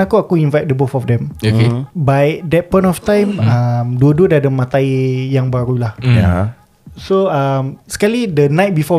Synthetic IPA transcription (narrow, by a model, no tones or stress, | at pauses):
akuakuinvajt̚dəbofɔfdɛ̃mokebadɛt̚pɔ̃jnɔft̪ãjmamduəduədaadəmãt̪ajjaŋbaɾulaha̰ | soamskalidənajt̚bifɔ